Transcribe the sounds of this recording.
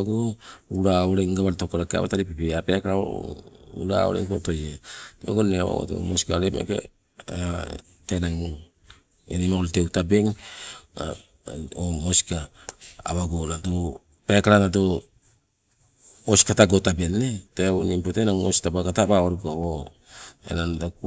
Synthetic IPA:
ɡouɾaoɾeŋɡaβaltokoɾakea̰βataɾipipeapekaɾaoɾo̰ṵɾa̰o̰ɾḛŋpo̰tojeoɡonːeawo̰o̰to̰mosi̥kaɾemḛkḛ | tenaŋ | enimakoltewtabe̞ŋ | a | omoska̰ː | βaɡonado | pekaɾanado | oskataɡotabenːetenimpotenaŋosi̥tabakatabaoɾikaβo | ḛnandak

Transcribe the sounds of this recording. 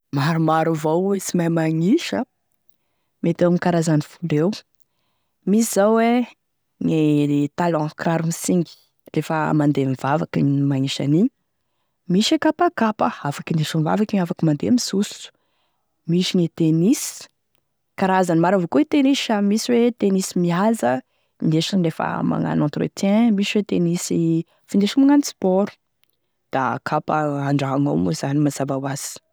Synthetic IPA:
maɾumaɾuvowisimajmaŋiʃə | met̪ewamikaɾazanifulew | misizawwe | ŋet̪alɔ̃kɾaɾumisiŋɡi̥ | refə̰mand̪emivavakinmaŋiʃa̰ni | miʃekapakapəafakineʃumva̰vakiɲafakimand̪emisus | miʃiɲet̪enisi̥ | kaɾaazanimaɾavokoit̪enisamisiwet̪enisimiazə | neʃinrefə̰ma̰ŋa̰nãnt̪rḛt̪ɛ̃misiwet̪enisi | fineʃimuŋanispɔɾu̥ | d̪̥a̰kʰapəaɳɖ͡ʐaɦaŋa̰wmuz̥animaz̥avawaz̥i̥

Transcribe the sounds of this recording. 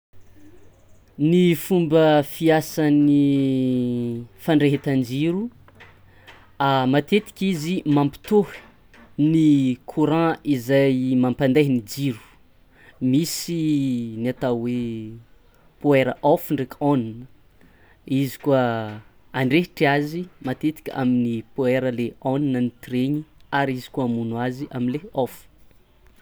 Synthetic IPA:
nifumbəfiasani | faɳɖ͡ʐeɦet̪and͡ʒiɾu | amat̪et̪i̥kʲizimãmpi̥t̪uh | nikʰuɾãizajmampand̪eɦinid͡ʒiɾu̥ | misiniat̪awe | pueɾə̰ʔofuɳɖ͡ʐekʲoninə | izi̥kuə | aɳɖ͡ʐeɦʈ͡ʂiazimat̪et̪i̥kʲəa̰minipueɾəleoninənit̪ireɲiaɾizi̥kuamunwaziʔaminleofu̥

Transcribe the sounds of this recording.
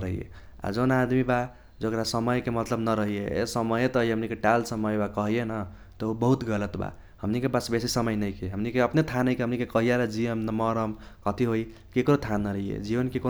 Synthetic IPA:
ɾəɦḭjḛ | a̰d͡ʒonad̪miba | d͡ʒokɾasəməjkemʌt̪ləbnʌɾəɦiesəməjet̪ʌɦiɦəmnikeʈalsəməjbakʌɦijenʌ | t̪ɔobəɦut̪ɡʌlət̪ba̰ | həmnikepasbesisəmʌjnəjkeɦəmnikeʌpnet̪ʰanəjkeɦəmnikekʌɦijaɾad͡ʒiəmnmʌɾəm | kʌt̪iɦoi | kekɾot̪ʰanːʌɾəɦijḛd͡ʒibənkeko

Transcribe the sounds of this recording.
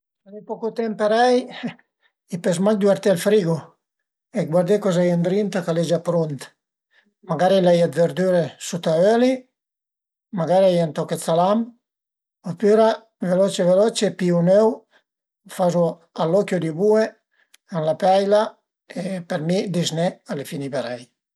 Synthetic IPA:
alipɔkut̪ɛmpaɾɛj | ipesmakd̪waɾt̪elfɾiɡu | eɡwaɾd̪ekɔzajand̪ɾint̪akaled͡ʒapɾunt̪ | maɡaɾilajad̪veɾd̪yɾesut̪aøli | maɡaɾiajant̪ɔket͡s̪ːalam | ɔpyɾa | velɔt͡ʃevelɔt͡ʃepiunøw | fazu | alːɔkjod̪ibue | anlapajla | epeɾmid̪iznɛalefinipeɾaj

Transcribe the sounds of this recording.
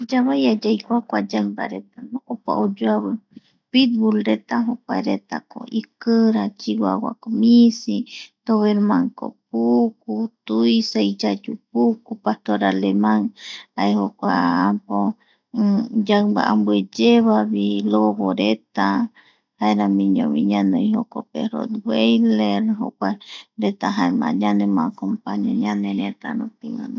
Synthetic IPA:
d͡ʒaβajad͡ʒajkʷakʷad͡ʒaŋmba̰ɾet̪anoʔopa̰ʔod͡ʒoaβɨ | pit̪̚bulɾet̪aɦokʷaeɾet̪a̰ko̰ʔikɨɾat͡ʃiwa̰wa̰komisit̪oβeɾmaŋko̰p̚uk̚ut̪uisejt͡ʃad͡ʒup̚ukupaht̪oɾalemaŋaehokʷaampo | d͡ʒaba̰ʔambwed͡ʒeβaβiloβoɾet̪a | haeɾamiɲõβḭɲanojhokopeɾo̰d̪wejleɾɦo̰kʷaɾet̪aɦaeɾmã̰ɲanemakompaɲoɲanenet̪a̰not̪iwa̰n

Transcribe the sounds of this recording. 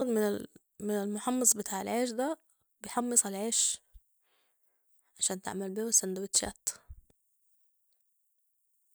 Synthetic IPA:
d̪mɪn | mɪnɪlmʊħɑmːɑsˤbɪt̪aːʕelʕeːʃ̬d̪æ | bejħɑmːɨsˤalʕeːʃ | ʕaʃæːnt̪a̰ʕmælbiːhæsænd̪æwɪt̪ʃæ̰ːt̪

